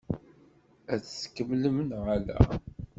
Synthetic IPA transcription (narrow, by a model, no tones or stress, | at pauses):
æt͡sːskːəmləmənʁalæ̰